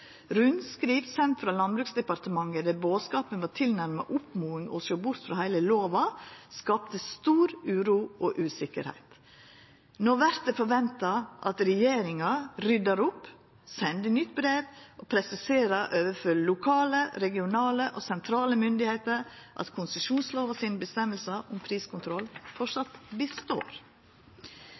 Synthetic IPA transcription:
ɾʉnskɾiːʋsɛnt̪fɾɑːlɑnbɾʉːksd̪ɛpɑɾt̪əmɑŋəd̪æboːskɑːpənʋɑːt̪ʰɪlnæɾmɑ̰ʔʊpmuːɪŋɔ̰soːbʊɾt̪fɾɑhæɪləloːʋɑskɑːp̚t̪əst̪uːɾʉːɾuːʔoːʔʉːsɪkə̰ɾhæ̰ɪt̪ | noːʋæɾt̪̚d̪ɛfɔɾʋɛnt̪ɑʔɑ̰t̪ɾɛjeːɾɪŋɑɾʏd̪ɑɾʊp | sɛnd̪ənʏt̪ːbɾeːʋʔopʰɾɛsɪseːɾəɾʔøːʋəɾfœllʊkʰɑːləɾɛɡɪʊnɑːləʔoːsɛnt̪ʰɾɑːləmʏnd̪ɪheɪt̪əɾʔɑ̰t̪kʰʊnsəʃuːnsloːʋɑsiːnəbəst̪ɛməlsɑʔʊmpʰɾiːskʊnt̪ʰɾɔlːfɔʂɑt̪bəst̪o̰ːɾ

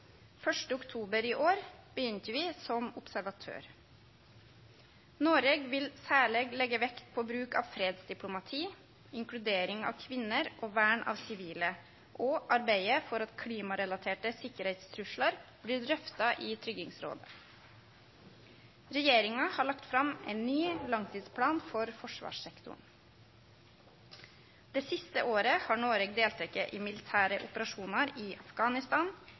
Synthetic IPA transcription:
fœʂʈəʊkt̪ʰuːbəɾiːʔoːɾb̥əjʏnt̪əʋɪːsɔmʊpsæɾʋɑt̪ʰø̰ːɾ | noːɾeːɡʋɪlsæːɭeːɡlɛɡəʋɛkt̪̚pʰoːbɾʉːkɑ̰ːʋfɾeːd̪sd̪ɪplʊmɑt̪ʰiː | ɪŋklʉd̪eːɾɪŋɑ̰ːʋkʰʋɪnːəɾʔoːʋæːɳʔɑ̰ːʋsɪʋiːlə | ʔoːʔɑɾbeɪəfɔɾɑt̪kʰɽiːmɑɾɛlɑt̪ʰeːʈəsɪkːəɾhɛɪt̪st̪ʰɾʉʂɭɑɾb̥lɪɖ̪ɾœft̪ɑʔiːt̪ʰɾʏɡɪŋsɾo̰ːd̪ə | ɾɛjeːɾɪŋɑhɑːɭɑkt̪fɾɑmʔæɪnːyːlɑŋt̪ʰiːd̪spʰɽɑːnfɔɾfɔʂʋɑ̰ːʂɛkt̪ʊ̰ɳ | d̪̥eːsɪst̪ə̰ʔoːɾəhɑːɳoːɾeɡd̪eːlt̪ʰɾɛkːəʔiːmɪlɪt̪ʰæːɾəʔʊ̰pəɾɑʃuːnɑɾiːʔɑfɡ̥ɑːnɪst̪ɑːn

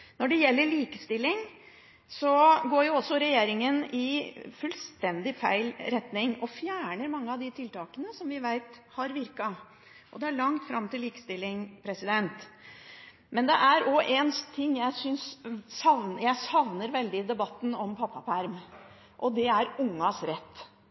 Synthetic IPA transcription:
nɔɖɛjɛlːəɭiːkəst̪ɪlːɪŋ | sɔɡoːɾjʊɔsːɔɾɛjeːɾɪŋənɪfʉlst̪ɛnd̪ɪfæɪlɾɛt̪nɪŋɔfjæːɳəɾmɑŋːəɑʋd̪ɪt̪ʰɪlt̪ɑːkənəsɔmʋɪʋæɪt̪hɑɾʋɪɾkɑ | ʔɔd̪ɛæɭɑŋt̪fɾɑmt̪ɪlːiːkə̥st̪ɪlːɪŋpʰɾɛsɪd̪ɛnt̪ | mɛnd̪ɛʔæɾɔʔɛnt̪ʰɪŋːjæɪsʏnsːɑʋnjæɪsɑʋnəɾʋɛld̪ɪd̪ɛbɑt̪ːn̩ɔmpʰɑpːɑfæɾm | ʔɔd̪ɛæɾʊŋːɑsɾɛt̪ː

